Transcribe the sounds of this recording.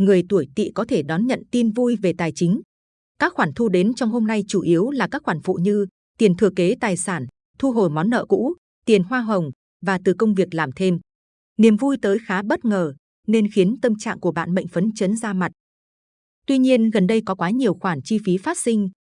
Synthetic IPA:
ŋɨ˨˩əjt̪u˧˩əjt̪ḭ˧˨kɔ˨˦t̪ʰe˧˩ɗɔ˨˦nɲə̰˧˨nt̪i˧nvu˧jve˨˩t̪aː˨˩jt͡ɕï˨˦ŋ̟ | kaː˦˥k̚xwaː˧˩nt̪ʰu˧ɗe˨˦nt͡ɕɔ˧wŋ͡mho˧mna˧jt͡ɕu˧˩ʔi˨˦əwlaː˨˩kaː˦˥k̚xwaː˧˩nfṵ˧˨ɲɨ˧ | t̪i˨˩ənt̪ʰɨ˨˩əke˨˦t̪aː˨˩jsaː˧˩n | t̪ʰu˧ɦo˨˩jmɔ˨˦nːə̰ː˧˨kṵ˧˥ | t̪i˨˩ənɦwaː˧ɦə˨˩wŋ͡m | vaː˨˩t̪ɨ˨˩kə˧wŋ͡mvi˨˩ək̚laː˨˩mt̪ʰe˧m | ni˨˩əmvu˧jt̪əː˨˦jxaː˨˦ɓə˦˥t̚ŋəː˨˩ | ne˧nxi˨˦ənt̪ə˧mt͡ɕa̰ː˧˨ŋku˧˩əɓa̰ː˧˨nɓə̰˧˨jŋ̟fə˨˦nt͡ɕə˨˦nzaː˧ma˨˩t̚ | t̪wi˧ɲi˧ənɣə˨˩nɗə˧jkɔ˨˦kwaː˨˦ɲi˨˩əwxwaː˧˩nt͡ɕi˧fi˨˦faː˦˥t̚sï˧ŋ̟

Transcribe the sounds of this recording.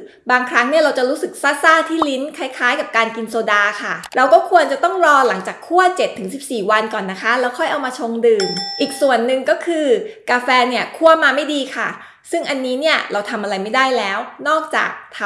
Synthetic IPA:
baː˧ŋkʰɾa˦˥ŋni˥˩ɐɾa˧wt͡ɕa˨˩ɾuː˦˥sɯ˨˩k̚saː˥˩saː˥˩t̪ʰiː˥˩li˦˥nkʰa˦˥jkʰaː˦˥jka˨˩p̚kaː˧nki˧nsoː˧daː˧kʰa˥˩ɾa˧wkɔː˥˩kʰu˧ənt͡ɕa˨˩t̪ɔ˥˩ŋɾɔː˧la˩˦ŋt͡ɕaː˨˩kʰːu˥˩ət͡ɕe˨˩t̪ʰːɯ˩˦ŋsi˨˩p̚siː˨˩wa˧nkɔː˨˩nːa˦˥kʰa˦˥lɛː˦˥wkʰɔ˥˩jʔa˧wmaː˧t͡ɕʰo˧ŋdɯː˧mʔiː˨˩k̚su˨˩ənːɯ˨˩ŋkɔː˥˩kʰɯː˧kaː˧fɛː˧ni˥˩ɐkʰu˥˩əmaː˧ma˥˩jdiː˧kʰa˥˩ | sɯ˥˩ŋʔa˧nːiː˦˥ni˥˩ɐɾa˧wt̪ʰa˧mʔa˧ɾa˧jma˥˩jdaː˥˩jlɛː˦˥wnɔː˥˩k̚t͡ɕa̰ː˨˩k̚t̪ʰa˧

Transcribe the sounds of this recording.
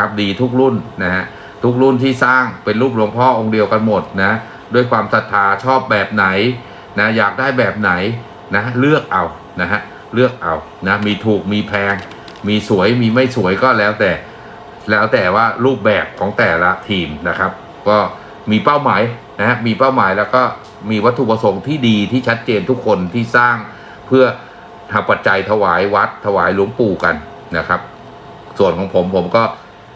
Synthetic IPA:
a˦˥p̚diː˧t̪ʰu˦˥k̚ɾu˥˩nna˦˥ɦa˦˥ | t̪ʰu˦˥k̚ɾu˥˩nt̪ʰiː˥˩saː˥˩ŋpe˧nɾuː˥˩p̬̚lo˧ŋpʰɔː˥˩ʔo˧ŋdi˧əwka˧nmo˨˩t̪̚na˦˥ha˦˥ | du˥˩əjkʰwaː˧msa˨˩t̪ʰːaː˧t͡ɕʰɔː˥˩p̚bɛː˨˩p̚na˩˦j | na˦˥jaː˨˩k̚daː˥˩jbɛː˨˩p̚na˩˦j | na˦˥ɦa˥lɯ˥˩ək̚ʔa˧w | na˦˥ɦa˦˥ʔ | lɯ˥˩ək̚ʔa˧w | na˦˥miː˧t̪ʰuː˨˩k̚miː˧pʰɛː˧ŋ | miː˧su˨˩˦əjmiː˧ma˥˩jsu˨˩˦əjkɔː˥˩lɛː˦˥wt̪ɛː˨˩ | lɛː˦˥wt̪ɛː˨˩waː˥˩ɾuː˥˩p̚bɛː˨˩p̚kʰɔː˩˦ŋt̪ɛː˨˩la˦˥t̪ʰiː˧mna˦˥kʰa˦˥p̚ | kɔː˥˩ | miː˧pa˥˩wmaː˩˦j | na˦˥ha˦˥miː˧pa˥˩wmaː˩˦jlɛː˦˥wkɔː˥˩ | miː˧wa˦˥t̪ʰːu˨pɾa˧so˧˦ŋt̪ʰiː˥˩diː˧t̪ʰiː˥˩t͡ɕʰa˦˥t̪̚t͡ɕeː˧nt̪ʰu˦˥kʰːo˧nt̪ʰiː˥˩saː˥˩ŋ | pʰɯ˥˩ə | ha˨˩pːa˨˩t̪̚t͡ɕa˧jt̪ʰa˧waː˩˦jwa˦˥t̪ʰːa˧waː˩˦jlu˩˦əŋpuː˧ka˧n | na˦˥kʰa˦˥p̚ | su˨˩ənkʰɔː˩˦ŋpʰo˩˦mpʰo˩˦mkɔː˥˩

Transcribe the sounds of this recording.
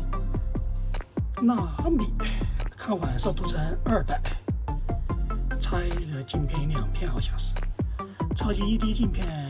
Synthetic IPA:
na˥˩xə˥npi˨kʰa˥nxa˨˩nst̪ʰu˥t͡sʰa˥nə˞˥˧˩t̪a˥˩ɪ | t͡sʰa˥ɪ˥˧lə˨˩t͡ɕi˥˨npʰjɛ˥˧ni˥˧njɑ˥˧˨ŋpʰjɛ˥˧nxɑ˨˩ɕjɑ˥˩s̩˨ | t͡sʰɑ˥˧t͡ɕi˧˥˧i˥t̪i˥t͡ɕi˥˧npʰjɛ˥˧˨n

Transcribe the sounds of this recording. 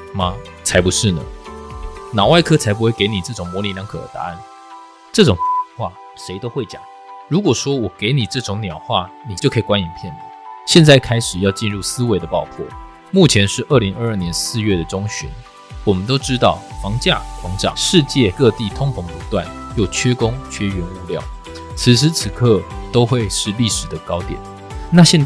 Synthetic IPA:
ma˨t͡sʰa˧˥ɪpu˧˦ʂɻ̩˥˩nə̰˩ | nɑ˨˩ʊwa˥˩ɪkʰɤ˥t͡sʰa˧˥ɪp̬u˧˥we˥˩ɪke˧˥ɪni˨˩ʈ͡ʂɤ˥˩ʈ͡ʂʊ˨˩ŋmwɔ˧˥li˧˥njɑ˧˥ŋkʰɤ˨˩d̪ə̰˧˩t̪a̰˧˦a˥˩n | ʈ͡ʂɤ˥˩ʈ͡ʂʊ˨˩ŋxwa̰˥˩ | ʂe˧˥ɪt̪o˥ʊxwe˥˩ɪt͡ɕjɑ̰˨˩˦ŋ | ɻu˧˥kwɔ˨˩ʂwɔ˥wɔ˨˩ke˧˥ɪni˨˩ʈ͡ʂɤ˥˩ʈ͡ʂʊ˧˥ŋnjɑ˨˩ʊxwa˥˩ni˨˩t͡ɕo˥˩kʰɤ˥˨˩kwa˥ni˨˦npʰjɛ˥˩nlə˩ɕjɛ˥˧nt͡sa˥˩ɪkʰa˥ɪʂɻ̩˨˩jɑ˥˧ʊt͡ɕi˥˧nɻu˥˩sɹ̩˥we˧˥ɪd̪ə˨pɑ˥˩ʊpʰwɔ̰˥˩ | mu˥˩t͡ɕʰjɛ˧˥nʂɻ̩˥˧ʔə˥˩li˧˥ŋə˥˧ə˥˩njɛ˧˦nsɹ̩˥˧ɥɛ˥˩d̪ə˩ʈ͡ʂʊ˥ŋɕy̰˧˦n | wɔ˨˩mə˦nt̪̬o˥ʊʈ͡ʂɻ̩˦t̪ɑ˥˩ʊfɑ˧˥ŋt͡ɕja̰˥˩kwɑ˧˥ŋʈ͡ʂɑ̰˨˩ʂɻ̩˥˧t͡ɕjɛ˥˨kɤ˥˧t̪i˥˨t̪ʰʊ˥ŋpʰʊ˧˥ŋpu˧˥t̪wa̰˥˨n | jo˥˩ʊt͡ɕʰɥɛ˥kʊ˥ŋt͡ɕʰɥɛ˥ɥɛ˧˥nu˥˧ljɑ̰˥˩ʊ | t͡s̩ʰ˧˥ʂ̬̩˥t͡s̩ʰ˨˩˦kʰɤ˥˨t̪o˥ʊxwe˥˧ɪʂɻ̩˥˧li˥˩ʂɻ̩˨˩d̪ə˦kɑ˥ʊt̪jɛ̰˨˩˦n | na˥˧ɕjɛ˥˧n

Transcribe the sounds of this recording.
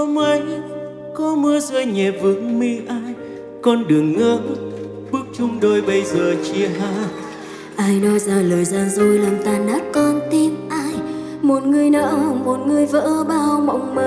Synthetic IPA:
ə˧wŋ͡mʔə˧˦j | kɔ˨˦mɨ˧˦əzɨ˧jɲɛ˨˩p̚vɨ˨˦ŋmi˧ʔaː˧j | kɔ˧nɗɨ˨˩əŋːəː˧˦n | ɓɨ˦˥ək̚t͡ɕʊ˧ŋ͡mɗo˧jɓə˧jzəː˨˩t͡ɕi˧əɦaː˧ | ʔaː˧jɗɔ˧zaː˧˩ləː˨˩jzaː˧˩nzo˧˩jlaː˨˩mt̪aː˨˩nɗaː˨˦˥k̚kɔ˧nt̪i˧əmʔaː˧j | mo˨˩t̚ŋɨ˨˧˩əjnə̰ː˧˥mo˨˩t̚ŋɨ˨˧əjvə̰ː˧˥ɓaː˧wma̰˧˨wŋ͡mmə˧

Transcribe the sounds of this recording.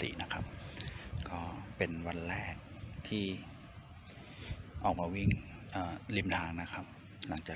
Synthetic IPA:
ḭː˩˦na˦˥kʰa˦˥p̚kɔː˥˩pe˧nwa˧nɾɛː˥˩k̚t̪ʰiː˥˩ | ʔɔː˨˩k̚maː˧wi˥˩ŋʔəː˨˩li˧mt̪ʰaː˧ŋna˦˥kʰa˦˥p̚ | la˩˦ŋt͡ɕaː˨˩

